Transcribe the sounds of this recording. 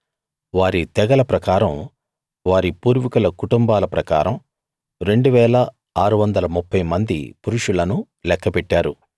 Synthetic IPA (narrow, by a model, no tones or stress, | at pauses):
ʋaːɾit̪ɛɡɐlɐpɾɐkaːɾɐm | ʋaːɾipuːɾʋikulɐkuʈumbaːlɐpɾɐka̰ːɾɐm | ɾe̞ɳɖuʋɛːlɐ | aːɾuʋɐnd̪ɐlɐmupːɐjmɐnd̪ḭpuɾuʂulɐnu | lɛkːɐpɛʈːaːɾu